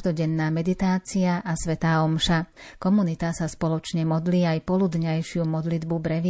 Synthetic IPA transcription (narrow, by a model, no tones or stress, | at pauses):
d̪ɔɟɛnːaːmɛd̪it̪aːt͡siaʔasʋɛt̪aːɔmʃakɔmunit̪asaspɔlɔt͡ʃɲɛmɔd̪liːajpɔlud̪ɲajʃɪumɔd̪lid̪bubɾɛʋ